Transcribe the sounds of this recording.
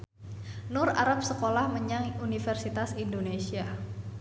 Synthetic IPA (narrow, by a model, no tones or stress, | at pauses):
nʊra̰ɾap̚səkolahməɲaŋunifɛrsit̪asindonesia